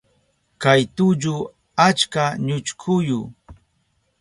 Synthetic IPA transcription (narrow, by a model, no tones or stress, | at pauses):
kajt̪ʊʎʊ | at͡ʃkaɲʊt͡ʃkʰʊjʊ